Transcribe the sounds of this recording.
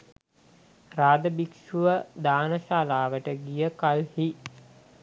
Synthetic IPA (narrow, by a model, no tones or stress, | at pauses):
raːd̪əbikʃuʋəd̪aːnəʃaːlaːʋəʈəɡijəkalhi